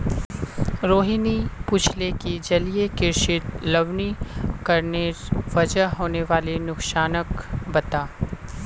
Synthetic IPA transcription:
ɾoːɦɪnipʊt͡ʃʰlekid͡ʒɐliekɪɾʃɪt̪lɐʋnikɐɾneʋɐd͡ʒəɦoːneʋaːlenʊkʃaːnəkbɐt̪aː

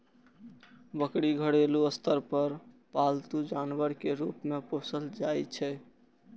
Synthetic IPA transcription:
bəkɽiɡʱəɽeluəst̪əɾpəɾ | palt̪ud͡ʒanbəɾkeɾupmeposəld͡ʒajt͡ʃʰɛ

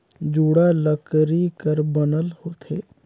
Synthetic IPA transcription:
d͡ʒuːɽaləkɾikəɾbənəlhoːt̪ʰeː

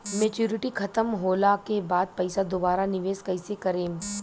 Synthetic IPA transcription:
meːt͡ʃuːɾɪʈikʰɐt̪əmɦoːlakebaːd̪̚pɐɪsad̪obaːɾanɪʋeːzkɐɪsekɐɾẽː

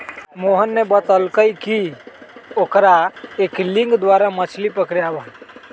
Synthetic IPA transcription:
moːɦənːebət̪əlkəiki | okɾaeːklɪ̃ŋɡd̪waːɾamət͡ʃʰlipəkɾjabə

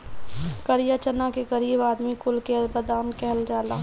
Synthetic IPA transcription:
kəɾjat͡ʃənakekəɾiːbaːd̪mikʊlkebəd̪aːnkɛɦəld͡ʒaːla̰ː

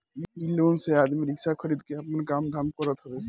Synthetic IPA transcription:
iiloːnsead̪miɾɪksakʰəɾid̪keəpənkamd̪ʱamkəɾət̪ɦəbɛ

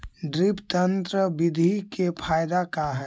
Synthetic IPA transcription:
ɖɾipt̪ənt̪ɾəbid̪ʱikepʰaːjd̪akaɦɛ

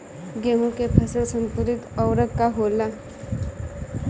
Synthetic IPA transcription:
ɡeɦũkepʰəsəlsəmpuɾit̪əwɾəkːaɦola

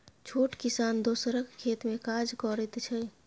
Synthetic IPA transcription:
t͡ʃʰoːʈkɪsaːnd̪oːsɾəkkʰːeːt̪mẽkaːd͡ʒkɔːɾɪt̪t͡ʃʰɛ

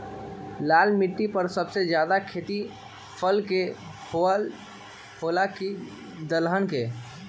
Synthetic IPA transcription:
laːlmɪʈːipəɾsəbsed͡ʒjaːd̪akʰeːt̪i | pʰəlke | pʰolaki | d̪əlɦənke

